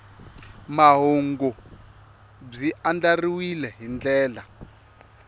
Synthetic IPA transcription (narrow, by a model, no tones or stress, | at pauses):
maɦoŋɡɔ | b͡ʐiʔand͡ɮariwilɛɦind͡ɮɛːla